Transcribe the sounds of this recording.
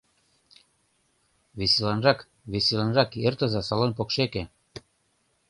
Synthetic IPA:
βiselɑnrɑk | βisilɑnrɑkert̪əzɑsɑlonp̬okʃeke

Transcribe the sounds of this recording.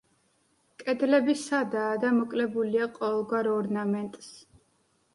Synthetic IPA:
kʼɛd̪lɛbisad̪aːd̪amɔkʼlɛbuliaqʼɔɛlˠɡwaɾɔɾnamɛnt̪ʼs

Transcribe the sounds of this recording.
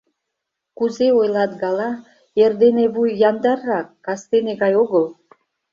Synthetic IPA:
kuzeojlˠɑt̪ɡɑlɑ | erd̪eneβujjɑnd̪ɑrːɑkːɑst̪eneɣɑjoɣəl

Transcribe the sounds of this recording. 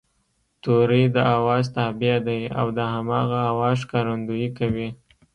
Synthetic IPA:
t̪oɾəjd̪əawɑzt̪ɑbijad̪aja̰wd̪əɦamɑɣaːwɑzkɑɾand̪ujikawi

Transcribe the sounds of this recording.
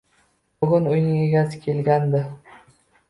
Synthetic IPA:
bʊɡʲʊnʊjnɪŋe̞ɡʲasɪ̥kʲʰe̞lɡʲand̪ɪ

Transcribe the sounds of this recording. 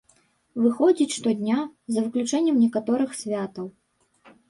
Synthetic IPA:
vɨxɔd͡zʲit͡sʲʂt̪ɔd̪ʲnʲazɐvɨklʲut͡ʂɛnʲːɛmnʲɛkat̪ɔɾɨxsʲvʲat̪ɐw

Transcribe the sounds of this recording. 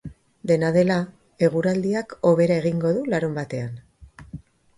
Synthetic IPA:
d̪e̞naðe̞la | e̞ɣ̞uɾald̪iako̞βe̞ɾae̞ɣiŋɡo̞ðulaɾumbat̪e̞an

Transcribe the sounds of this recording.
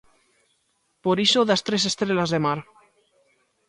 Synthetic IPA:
poɾiʃoðast̪ɾesest̪ɾelazðemaɾ

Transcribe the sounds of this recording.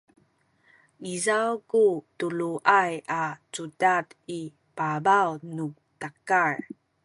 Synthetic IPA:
mizawkutuɭuʔajat͡sudati | pabawnu | takaɹ

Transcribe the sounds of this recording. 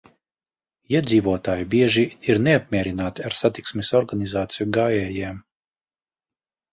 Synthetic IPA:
iɛd̪ziːvuɔt̪aːjibiɛʒiiɾneap̚mʲiɛɾinaːt̪iaɾsat̪iksmisɔɾɡanizaːt̪sijuɡaːjɛːjɛːm

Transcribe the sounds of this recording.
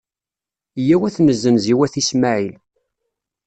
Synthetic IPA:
jæwæθnəzːənziwæθismaʕil

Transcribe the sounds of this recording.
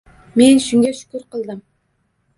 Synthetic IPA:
menʃʊŋɡʲaʃʊ̥kʲʊɾqʰəlˠd̪ɨm

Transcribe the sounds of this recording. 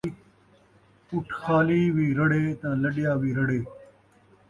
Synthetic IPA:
ʊʈʰxaːliːʋiːɾɐɽeːt̪ãːləɖɪjaːʋiːɾəɽeː

